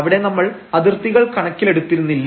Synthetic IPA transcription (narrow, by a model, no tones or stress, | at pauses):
ʋiɽe̞nɐmːɐɭɐðirt̪ːiɣɐɭkɐɳɐkʲːileɽut̪ːiɾunːilː